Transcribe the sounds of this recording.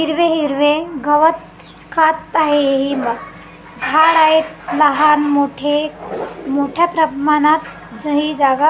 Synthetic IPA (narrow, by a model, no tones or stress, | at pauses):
ɦiɾʋeɦiɾʋeɡəʋət̪ | kʰat̪ːaɦeeɦima | ɡʱaɽaet̪ləɦanmoʈʰe | moʈʰjapɾəbʱmanat̪ | d͡zəɦid͡zaɡa